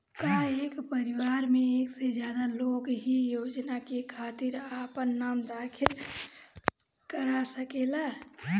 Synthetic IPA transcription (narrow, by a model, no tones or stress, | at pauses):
kaekpəɾiwaɾmeeksed͡ʒjad̪alokɦijod͡ʒnakekʰat̪iɾapənːamd̪akʰil | kəɾasəkela